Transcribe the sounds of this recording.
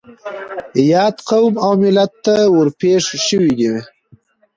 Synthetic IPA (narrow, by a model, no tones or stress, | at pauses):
jɑt̪qawmawmɪlat̪ːawəɾpeʂʃəwiɡiwe